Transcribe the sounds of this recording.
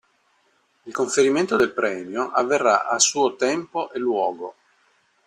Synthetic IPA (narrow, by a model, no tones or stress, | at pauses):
ilkoɱfeɾiment̪od̪elpɾɛːmjoʔavːerːa̰ʔasuːot̪ɛmpoʔelwɔːɡo